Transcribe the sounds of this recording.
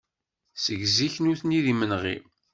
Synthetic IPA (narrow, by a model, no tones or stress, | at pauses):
səɡziçnuθniðimənʁḭ